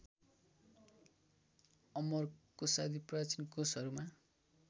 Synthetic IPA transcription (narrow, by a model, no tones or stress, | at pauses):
ʌmʌrkosad̪iprat͡sinkosʌɾuma